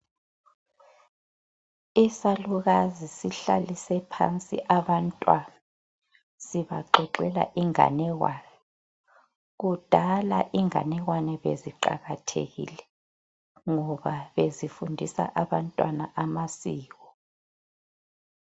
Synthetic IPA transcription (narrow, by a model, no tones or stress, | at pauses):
isaluɣazisiɬa̰lisɛpʰa̰nt͡sʼḭʔaβantʼwana | siβa̰ǃʱɔǃɛla̰ʔiŋa̰nɛɣwaːnɛ | ɣud̥ʱalaʔiŋa̰nɛɣwanɛβḛziǃa̰ɣatʰḛɣḭlɛ | ŋɔβaβezifundʱisa̰ʔaβantʼwanaʔamasiːɣɔ